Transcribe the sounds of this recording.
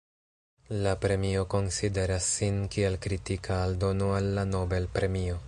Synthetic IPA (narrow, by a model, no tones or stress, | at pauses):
lapɾe̞mio̞ko̞nside̞ɾasːinkie̞lkɾitikaːldo̞noalːano̞be̞lpɾe̞mio̞